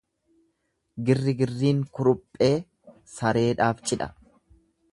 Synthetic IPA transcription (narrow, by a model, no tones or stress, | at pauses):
ɡɪrːɪɡɪrːiːŋkʊɾʊpʼːe̞ː | sɐɾe̞ːᶑaːft͡ʃʼɪᶑɐ̰